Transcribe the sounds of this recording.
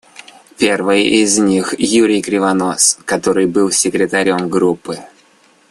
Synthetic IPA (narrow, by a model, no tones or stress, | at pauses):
pʲe̞rvɨjɪzʲnʲixjuɾʲɪjkɾʲɪvɐno̞skɐt̪o̞ɾɨjbɨlˠsʲɪkɾʲɪt̪ɐɾʲo̞mɡɾupːɨ